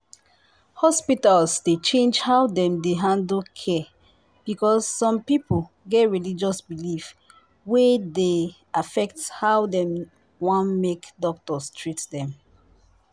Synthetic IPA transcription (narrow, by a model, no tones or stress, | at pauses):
hɔspitalsdet͡ʃẽnd͡ʒhaʊdɛ̃mdeɦãndlkʰɛ | b̥ikɔsːɔ̃mpipʰl | ɡɛtɹilid͡ʒɔsbilif | wɛde | afɛk̚thawdɛ̃m | wãnmekdɔk̚tɔstʰɹitdɛ̃m